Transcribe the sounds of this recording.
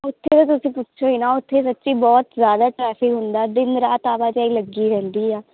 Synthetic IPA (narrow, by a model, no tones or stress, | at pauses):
ʊt̪ʰːet̪ãt̪̬ʊsĩːpʊtːʃʰoːiːnaːʊt̪ʰːeːsətːʃiːbɔːt̪zjaːd̪aːʈɾɛːpʰɪkɦʊnd̪aːd̪ɪnɾaːt̪aːʋaːd͡ʒaiːləɡːiːɾɛ̃ːnd̪iːɛː